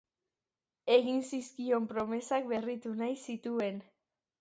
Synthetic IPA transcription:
e̞ɣinsiskio̞mpɾo̞me̞sak̚be̞rit̪unajsit̪ue̞n

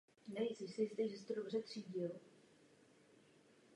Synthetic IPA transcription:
nɛjɪzɪsɪɪst̪ɛʒɛst̪odobrɛt̪r̝̥iːɟɪl

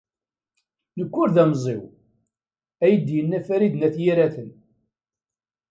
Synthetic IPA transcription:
nəkʷːʊɾðæmzˤɪ̰w | æjəd̪jənːæfæɾid̪næθjiɾæθən

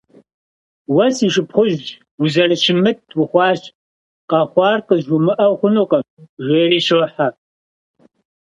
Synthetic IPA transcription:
wɐsiːʂɨpχʷʊʑd͡ʒ | wuzɐrɨʃɪmɨtʰwʊχʷɑːɕ | qɐχʷɑːrqəʑʊmɨʔɐwχʷʊnoːqʼɐ | ʒʷeːriːʃoħa

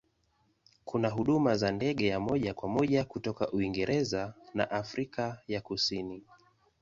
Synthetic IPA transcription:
kunaɦuɗumazandɛɠɛjamɔʄakwamɔʄakutɔkaʔuiŋɡɛɾʔɛzana̰ʔafɾikajakusini

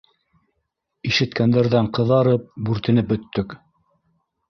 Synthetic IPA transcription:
iʃɘ̆t̪kænd̪æɾðæɴqɤ̆ðɑɾɤp̚bʉɾt̪ɘ̆nɘp̚bɵ̆t̪ːɵk

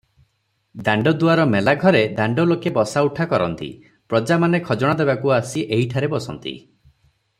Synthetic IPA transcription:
d̪aɳɖɔd̪uaɾɔmelaɡʱɔɾed̪aɳɖɔlokebɔsauʈʰakɔɾɔ̰nt̪ḭ | pɾɔd͡ʒamanekʰɔd͡ʒɔɽ̃d̪ebakuasiʔeɦiʈʰaɾebɔsɔ̰nt̪ḭ

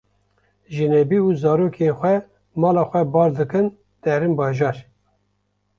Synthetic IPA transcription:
ʒinɛbiːuːzɑːɾoːkʰenxʷɛ | mɑːlɑːxʷɛbɑːɾd̪ɨkɨn | d̪̥ɛɾɨmbɑːʒɑːɾ

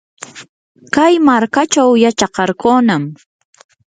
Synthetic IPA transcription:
kajmaɾkat͡ʃawjat͡ʃɑqɑɾkoːnam

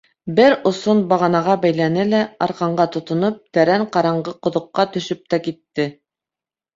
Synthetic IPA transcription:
bɘɾŏsonbɑʁɑnɑʁɑbæjlænɘlæɑɾqɑɴɢɑt̪ŏt̪ŏnɤp̚t̪æɾæɴqɑɾɑɴɢɤqŏðŏqːɑt̪ɵ̆ʃɵp̚t̪ækit̪ːɘ

